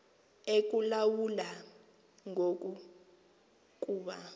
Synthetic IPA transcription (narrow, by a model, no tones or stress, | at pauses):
ek̬ʼulawula | ŋʱok̬ʼu | k̬ʼuːɓa